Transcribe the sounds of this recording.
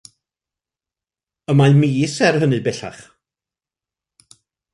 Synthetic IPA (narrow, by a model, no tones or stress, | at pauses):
əmajmiːsɛrɦənɨbɛɬa̰χ